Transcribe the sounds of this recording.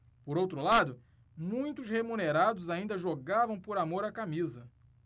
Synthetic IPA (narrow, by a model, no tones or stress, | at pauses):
poɾowt̪ɾʊlad̪ʊ | mũj̃t̪ʊshemuneɾad̪ʊzaĩnd̪ɐʒoɡavɐ̃w̃poɾamoɾakamizɐ